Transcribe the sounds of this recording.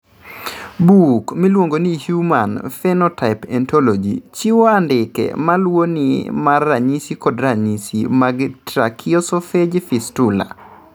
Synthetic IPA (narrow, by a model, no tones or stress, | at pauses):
bukmilwoŋɡonihjumanfɛnɔtaɪpɛntʰolɔd͡ʒḭt͡ʃiwɔandɪkɛ̰malwonimarːaɲisikɔdɾaɲisḭmaɡtɾakʰiɔsɔfed͡ʒfistula̰